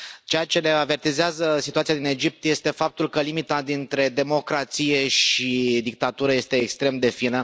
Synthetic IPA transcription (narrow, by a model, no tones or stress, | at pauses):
t͡ʃejat͡ʃe̞le̞ave̞rt̪izeazəsit̪uat̪iad̪ine̞d͡ʒip̚t̪je̞st̪e̞fap̚t̪ulkəlimit̪ad̪int̪ɾe̞d̪e̞mo̞kɾat̪sije̞ʃid̪ik̚t̪at̪uɾəje̞st̪e̞ːkst̪ɾe̞md̪e̞finə